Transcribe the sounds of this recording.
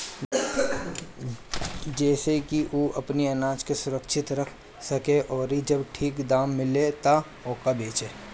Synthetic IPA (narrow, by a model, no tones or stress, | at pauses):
d͡ʒɛːsekiʔuːʔɐpniɐnaːt͡ʃkesʊɾəkʃʰɪt̪ɾəkʰ | sɐkeʔɔːɾid͡ʒɐbʈʰiːkd̪aːmːɪlet̪a | oːkabeːt͡ʃeː